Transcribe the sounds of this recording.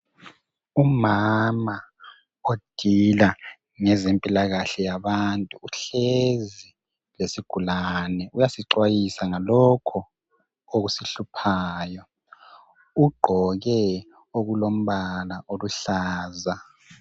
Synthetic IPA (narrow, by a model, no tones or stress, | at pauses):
umama | od̥ʱila | ŋɛzempʼilaɣaɬɛjaβantʼuːɬezi | lesiɡ̥ʱulanɛujasiǀwajisaŋalɔkʰɔ | oɣusiɬupʰaːjɔ | uɡ͡ǃʱɔɣɛ | oɣulom̩βalaʔoluɬaːza